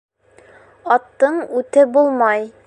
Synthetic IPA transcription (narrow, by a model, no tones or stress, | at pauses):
ɒt̪ːɤɴʉt̪ɘbulˠmɑj